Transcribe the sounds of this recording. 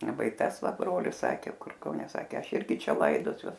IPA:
ˈʋɐ ɪ ˈtɐs ˈʋɐ ˈbroːlʲɪs ˈsɑːkʲeː ˈkʊr kɐʊˈnʲɛ ˈsɑːkʲeː ˈɐʃ ˈɪrʲɡʲɪ ˈt͡ʃʲɛ ˈlˠɐɪdoːsʲuɔs

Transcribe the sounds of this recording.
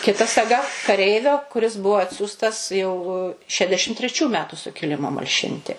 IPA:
kʲɪˈtɐ sɐˈɡɐ kɐˈrʲɛɪʋʲoː kʊˈrʲɪs ˈbʊʋoː ˈɑːtʲsʲuːstɐs jɛʊ ˈʃʲæːdʲɛʃʲɪm tʲrʲɛˈt͡ʃʲuː ˈmʲæːtʊ sʊkʲɪˈlʲɪmoː mɐlʲˈʃʲɪnʲtʲɪ

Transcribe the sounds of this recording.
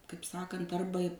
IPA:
kɐɪp ˈsɑːkɐnt ˈɐrbɐ

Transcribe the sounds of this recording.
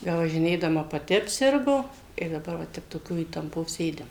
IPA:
bʲɛʋɐʒʲɪˈnʲeːdɐmɐ pɐˈtʲɪ ɐpʲˈsʲɪrɡoː ɪr dɐˈbɐr ʋɐ ˈtʲɛp toːˈkʲoː iːtɐmˈpoː ˈsʲeːdʲɪm

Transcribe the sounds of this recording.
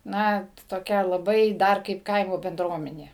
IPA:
ˈnɐ toːˈkʲɛ lˠɐˈbɐɪ ˈdɐr kɐɪp ˈkɐɪmoː bʲɛnˈdruɔmʲɛnʲeː

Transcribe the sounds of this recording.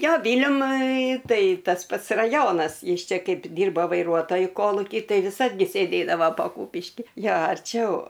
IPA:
ˈjoː ˈʋʲiːlʲɛmʊɪ ˈtɐɪ tɐs ˈpɐts rɐˈjoːnɐs ˈjɪs ˈt͡ʃʲɛ ˈkɐɪp ˈdʲiːrboː ʋɐɪˈruɔtoːjʊ ˈkoːlˠʊkʲiː ˈtɐɪ ʋʲɪˈsɐt ɡʲɪ sʲeːˈdʲeːdɐʋɐ pɐ ˈkʊpʲɪʃʲkʲiː ˈjoː ɐrʲˈt͡ʃʲɛʊ

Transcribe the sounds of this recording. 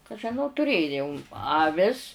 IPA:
kɐ ʒʲɪˈnɐʊ tʊˈrʲeːjoːʊm jɛʊ ɐˈʋʲɪs

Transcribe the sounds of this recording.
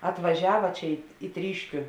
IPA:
ɐtʋɐˈʒʲæːʋɐ ˈt͡ʃʲɛ ɪ iː ˈtʲrʲiːʃʲkʲʊ

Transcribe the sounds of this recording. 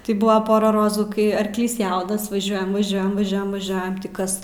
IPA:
tɐɪ ˈbuːʋɐ ˈpoːrɐ ˈroːzuː ˈkɐɪ ɐrkˈlʲiːs ˈjɛʊnɐs ʋɐˈʒʲuɔjɛm ʋɐˈʒʲuɔjɛm ʋɐˈʒʲuɔjɛm ʋɐˈʒʲuɔjɛm tʲiː ˈkɐs

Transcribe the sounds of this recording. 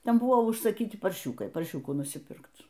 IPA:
ˈtʲɛn ˈbʊʋoː ʊʃsɐˈkʲiːtʲɪ pɐrʲˈʃʲuːkɐɪ pɐrʲˈʃʲuːkuː nʊsʲiːˈpʲɪrkt

